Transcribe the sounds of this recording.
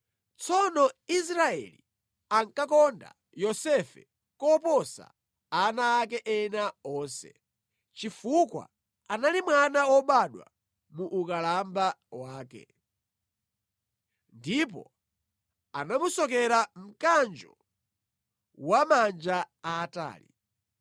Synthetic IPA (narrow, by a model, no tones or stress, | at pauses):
t͡sɔnɔis̬ɾaɛ̰li | aŋkakɔnda̰ | jɔsɛfɛ | kɔpɔsa̰ | anaːk̬ɛʔɛnaɔːnsɛ̰ | t͡ʃifukwa̰ | analimwanawɔɓaɗwa̰ | muʔukalambawaːkɛ̰ | ndipɔ̰ | anamusɔk̬ɛɾam̩kand͡ʒɔ | wamand͡ʒaaːta̰ːlḭ